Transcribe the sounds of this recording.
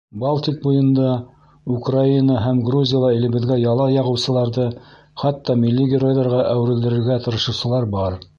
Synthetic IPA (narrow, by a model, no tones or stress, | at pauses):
balˠt̪ʲik̚bujɤ̆nd̪ɑ | ukrainəɦæmɡruzʲijalˠɑilɘ̆βɘ̆ðɡæjɑlˠɑjɑʁɤ̆wsɤ̆lˠɑɾðɤ | χɑt̪ːɑmilːiɡʲɪɾo̞jðɑɾʁɑʔæwɘ̆ɾɘ̆ld̪ɘ̆ɾɘ̆ɾɡæt̪ɤ̆ɾɤ̆ʃɤ̆wsɤ̆lˠɑɾbɑɾ